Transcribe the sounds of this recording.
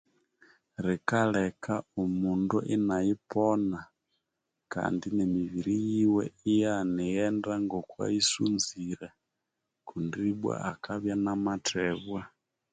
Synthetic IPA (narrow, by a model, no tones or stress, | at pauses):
ɾikalɛkʰaumunduʔinajipɔna | ka̰ndinɛmiβiɾijiwɛ̰ijanijɛndaŋɡɔkwa̰isunziɾɛ | kundiɓwa̰ʔakaβjanamatʰɛβwa